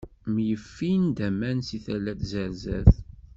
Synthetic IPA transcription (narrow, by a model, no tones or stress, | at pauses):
mjəfːind̪æmænsiθælːæθzəɾzæ̰θ